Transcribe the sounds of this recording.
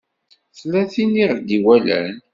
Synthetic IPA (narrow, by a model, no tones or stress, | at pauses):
θlæθiniʁd̪iwælæ̰n